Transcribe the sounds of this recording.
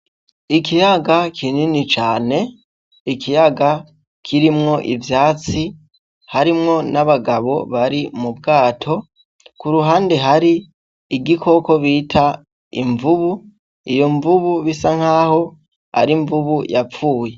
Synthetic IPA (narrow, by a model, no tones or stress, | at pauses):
ikijaɡakʰininit͡ʃaːne̞ | ikijaɡa | kʰiɾimŋo̞ʔivjaːt͡si | haɾimŋo̞naβaɡaβo̞̰βaɾimubɡaːtʰo̞ | kuɾuɦaːnde̞ɦaɾiː | ɡikʰo̞ko̞βitʰa | ḭɱvuβu | ijo̞ɱvuβuβisaŋ̥haːho̞ | a̰ɾiɱvuβujafuːje̞